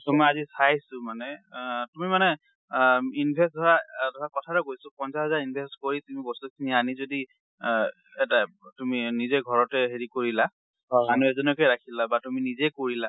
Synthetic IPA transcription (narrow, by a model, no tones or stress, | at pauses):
sɔmɔijazisajsʊmanɛtumimanɛ | inbʱɛstdʱɔɹadɔɹakɔtʰaɾɔkojsʊpɔnsaɦɛzaɹinbʱɛstkoɹitumibɔsukʰinianizodi | ɛta | tuminizɛɡʱɔɹɔtɛɦeɹikoɹila | ɦɔanuɛzɔnɔkɛjɹakʰilabatuminizɛkoɹila